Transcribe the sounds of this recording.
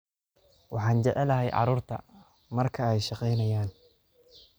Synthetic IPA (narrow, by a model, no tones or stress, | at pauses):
wʔɑ̰ħɑːnt͡ʃɛʕɛlɐɦɛjʕɑ̰ɾuːrt̪ʰɐ̰ | mɐrkʰɐɛjʃɑqɛjnɐjaːn